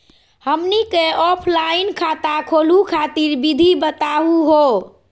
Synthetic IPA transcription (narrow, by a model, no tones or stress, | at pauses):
həmnikeɔpʰlainkʰat̪akʰolukʰat̪iɾbid̪ʱibət̪aɦuɦo